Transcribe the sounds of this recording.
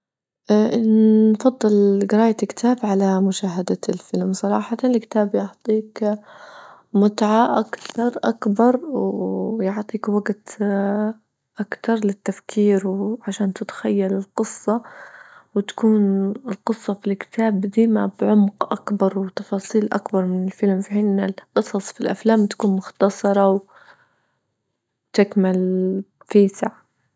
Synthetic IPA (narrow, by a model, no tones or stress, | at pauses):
ʔanfɑd̪ˤːɨlɡɪɾɑːjakɪ̥t̪ʰaːbʕalamʊʃaːɦad̪alfɪlmsˤɑɾˤɑ̰ːħɑt̪ɑnɪlkɪ̥t̪aːbjʊħt̪ˤiːk | mʊt̪ʕaʔakt̪ɑɾˤʔakbɑɾˤwwjʊʕt̪ˤiːkwaɡt̪ | ʔakt̪ɑɾˤlɪt̪ːafkʰiːɾwʕaʃaːnt̪ɪt̪xajːalɪlqɨsˤːɑ | wɪt̪ḁkuːnɪlqɨsˤːɑfilkɪ̥t̪ʰaːbd̪iːmabʕʊmqʔa̰kbɑɾˤwɪt̪ɑfɑːsˤiːlʔa̰kbɑɾˤmɪnɪlfɪlmfiħiːnɪlqɨsˤɑsˤfilʔa̰flaːmt̪ḁkuːnmʊxt̪ɑsˤɑɾˤɑw | t̪ɪkmɪl | fiːsaʕ